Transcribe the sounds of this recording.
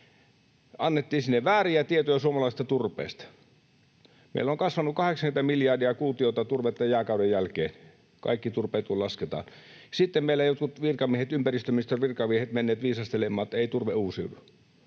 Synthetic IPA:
ɑnːet̪ːiːsinːeʋʋæːriæt̪iet̪ojɑsuomɑlɑist̪ɑt̪urpˑḛːˑst̪ɑ̥ | mḛilːoŋkɑsʋɑnukɑheksɑŋkynt̪æmiljɑdiɑkuːt̪iot̪ɑt̪urʋet̪ːɑjæːkɑudejjælkḛːn | kɑ̰ikːit̪urpeit̪uolɑsket̪ɑ̰ːn | sit̪ːemmeilːˑæjot̪kut̪ʋirkɑmiehet̪ympærist̪ømist̪ørʋirkɑʋiehet̪menːeːt̪ʋiːsɑst̪elemːˑɑːt̪eit̪urʋeuːsḭo̰nu

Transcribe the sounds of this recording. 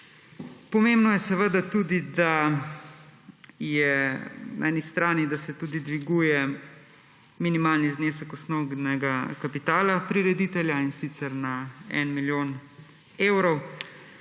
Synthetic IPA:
pɔmeːmbnɔjɛsɛʋəd̪at̪uːd̪id̪a | jɛna̰ɛnist̪ɾaːnid̪asɛt̪uːd̪id̪ʋiɡuːjɛ | minimaːlnizneːsəkɔsnoɡnɛɡakapit̪aːlapɾiɾɛd̪iːt̪ɛljainsit̪sɛɾnaɛ̰nmiljoːn | ewɾɔw

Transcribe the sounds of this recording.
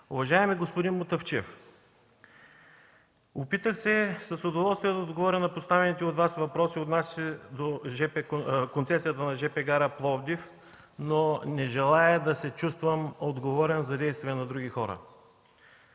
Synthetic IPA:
ʊvɐʒaɛmiɡospʊd̪inmot̪ɐft͡ʃɛf | opit̪əxsɛsɐsʊd̪ovɔlˠst̪vʲijɛd̪ɐod̪ɡovɔɾʲənɐpost̪avɛnit̪ɛot̪vasvɐpɾɔsiot̪nasʲsɛd̪oʒɛpɛkont̪sɛsijət̪ənɐʒɛpɛɡaɾəplˠɔvd̪if | nonɛʒɛlˠaɛd̪ɐsɛt͡ʃust̪vɐmod̪ɡovɔɾɛnzɐd̪ɛjst̪viɛnɐd̪ɾuɡʲixɔɾə̰

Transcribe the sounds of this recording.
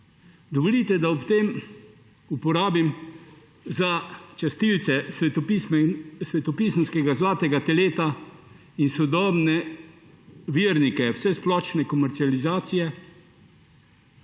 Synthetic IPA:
d̪ɔʋɔlit̪ɛd̪aɔpt̪eːm | upɔɾaːbim | zat͡ʃast̪ilt̪sɛs | sʋɛt̪ɔpiːsənskɛɡazlaːt̪ɛɡat̪ɛleːt̪a | insɔd̪ɔːbnɛ | ʋiəɾnikɛwsɛsplɔt͡ʃnɛkɔmɛɾt̪sializaːt̪sijɛ

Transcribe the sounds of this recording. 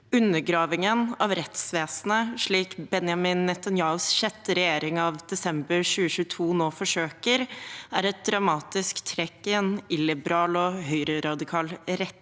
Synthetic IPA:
ʉnːəɾɡɾɑːʋɪŋənɑʋɾɛt̪sʋeːsnəʂɭiːkbɛnjɑmɪnːɪt̪ɑnjɑːʊsçɛt̪ːəɾɛjeːɾɪŋɑʋd̪̥ɛsɛmbəɾɕʉːəʃʉːət̪ʰuːnoːfɔʂøːkəɾæɾɛt̪̚d̪ɾɑmɑːt̪ɪskt̪ʰɾɛkːɪɛnɪlɪbəɾɑːlɔɦœʏɾəɾɑd̪ɪkʰɑːlɾɛt̪ː

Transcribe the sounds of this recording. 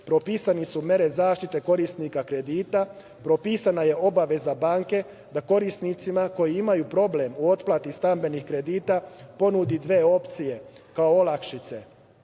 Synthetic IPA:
pɾo̞piːsanisumʲje̞ɾe̞zaːʃt̪it̪e̞ko̞ɾisnikakɾe̞d̪iːt̪a | pɾo̞piːsanaje̞o̞baʋe̞zabaːŋke̞ | d̪ako̞ɾisnit̪simako̞jiimajupɾo̞ble̞muo̞t̪plˠat̪ist̪ambe̞nixkɾe̞d̪iːt̪apo̞nud̪id̪ʋe̞ːo̞pt̪sije̞kaoolˠakʃit̪se̞

